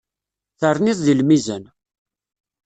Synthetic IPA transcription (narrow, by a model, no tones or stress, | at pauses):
θəɾˤniðˤðilmizən